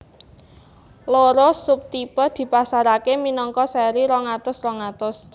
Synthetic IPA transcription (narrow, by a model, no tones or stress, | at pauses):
loɾosʊp̚t̪ipəd̪̥i̤pasaɾakeminɔŋkɔsɛɾiɾɔŋat̪ʊsrɔŋat̪ʊs